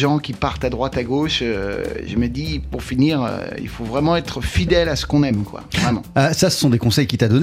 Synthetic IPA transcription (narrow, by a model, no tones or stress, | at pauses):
ʒɑ̃kʲipaʁt̪ad̪ʁwat̪aɡoʃø̰ʒəməd̪ipuʁfiniːʁø̰ḭlfovʁɛmɑ̃ɛt̪χəfid̪ɛlasə̥kɔ̃nɛmkwa̰vʁɛmɑ̰̃asasə̥sɔ̃d̪ekɔ̃sɛjkʲit̪ad̪ɔn